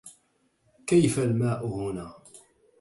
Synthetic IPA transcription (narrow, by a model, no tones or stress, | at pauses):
kæjfælmæʔhʊnæ